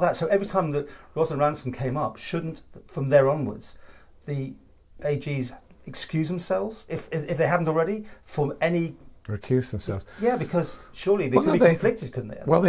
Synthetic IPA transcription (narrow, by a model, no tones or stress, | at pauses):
lˠðətsoʊʔɛvɹitʰãɪ̃mðɨt̚ɹɑzə̃nɹæ̃nsn̩kʰẽɪ̃mʌpʃʊdⁿn̩tfɹʌ̃mðə˞ɑ̃nwə̰˞dz̥ | ði | ʔeɪd͡ʒizɨkskjʉzðə̃msɛlˠvz̥ɪfɪɪfðeɪɦævn̩tl̩ˠɹɛɾifə̃ɛniɹɪkʰj̥ʉzðə̃msɛ̰lˠvz̥jæbɨkʰʌz̥ʃʊlˠiðeɪkdbĩɱflɪk̚tɨd̚kʰʊdⁿn̩ðeɪwɛlˠð